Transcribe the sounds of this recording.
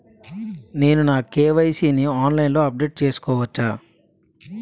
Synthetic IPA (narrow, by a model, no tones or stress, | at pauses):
ne̞ːnunaːkeːʋɐjsiːniaːnlɐjnlo̞ːɐp̚ɖe̞ːʈ̚t͡ʃe̞ːsu̥kɔːʋɐt͡ʃːaː